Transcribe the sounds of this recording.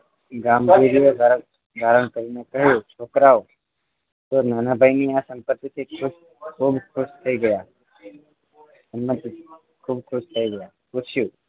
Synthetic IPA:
ɡaːmɡiːɾijod̪ʱa | d̪ʱaːɾəɽ̃kəɾinekɐɦjot͡ʃʰoːkɾaːo | t̪onaːnabʱainiasə̃mpət̪ːit̪ʰekʰʊʃ | kʰuːbkʰʊʃt̪ʰɐiɡɐjaː | ɐmmət̪ː | kʰuːb̚kʰʊʃt̪ʰɐiɡɐjaːput͡ʃʰjuː

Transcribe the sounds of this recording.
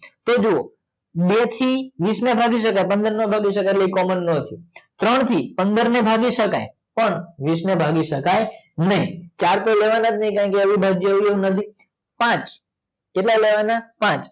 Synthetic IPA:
t̪od͡ʒoo̰ | bet̪ʰiʋisnebʱaɡiʃ̬əkajpənd̪əɾnobʱaɡiʃəkajləikɔmənːət̪ʰit̪ɾəɳ̃t̪ʰipənd̪əɾnebʱaɡiʃəkaj | pəɳʋisnebʱaɡiʃəkaj | nəɦĩt͡ʃaɽt̪oleʋanat̪ʰnəɦĩkãkeəʋibʱaɡd͡ʒeʋieũnət̪ʰi | pãt͡ʃ | keʈlaleʋanapãt͡ʃ

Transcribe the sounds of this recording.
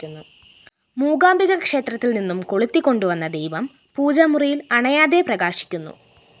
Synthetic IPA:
nːu | muːɡaːmbiɣɐkʂe̞ːt̪rɐt̪ːilninːumkoɭut̪ːikʲːo̞ɳɖuʋɐnːɐd̪ejʋɐm | puːd͡ʑɐmurijilɐɳɐjaːðe̞prɐɡaːɕi̥kʲːunːṵ

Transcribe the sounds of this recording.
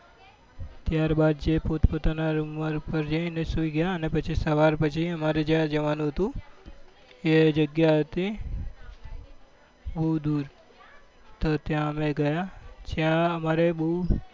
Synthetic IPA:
t̪jaːɾbad̪̚d͡ʒepot̪pot̪anaɾuməɾpəɾd͡ʒə̃inesuiɡəjaənepət͡ʃʰisəʋaɾpət͡ʃʰiəmaɾed͡ʒjãd͡ʒəʋanũɦət̪ũ | ed͡ʒəɡjaɦət̪ĩ | bəɦud̪uɾ | t̪ot̪jãəmẽɡəjad͡ʒjãəmaɾebəɦu

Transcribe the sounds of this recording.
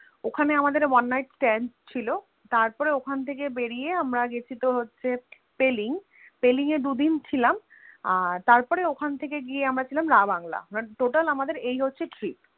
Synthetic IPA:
okʰaneamad̪eɾwanːajʈsʈɛnst͡ɕʰilo | t̪aɾpɔɾeokʰant̪ʰekebeɽieamɾaɡet͡ɕʰit̪oɦotːɕʰe | peliŋ | peliŋed̪ud̪int͡ɕʰilam | t̪aɾpɔɾeokʰant̪ʰekeɡieamɾat͡ɕʰilamɾabaŋla̰aʈoʈalamad̪eɾejɦotːɕʰeʈɾip̚

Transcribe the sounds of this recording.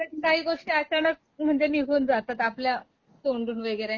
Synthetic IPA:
t̪əkaɦiːɡoʂʈiːət͡ɕanək̚m̤əɳd͡zeniɡʱuːnd͡zat̪at̪aplja | t̪oɳɖuːnʋeɡəjɾe

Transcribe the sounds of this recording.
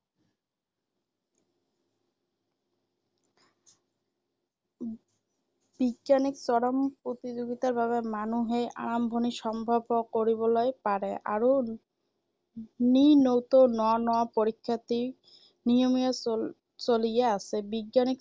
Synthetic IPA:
b̥iɡːaniksɔɽampɾot̪id͡ʑoɡit̪aɾbaβemanuɦeʔa̰ɾambʱoniʃɔmbʱabokoɾibolojpaɾeʔa̰ɾo | ninowt̪onɔanɔapoɾikʰːat̪i | nijomija | t͡ɕolijeasʰebiɡːanik

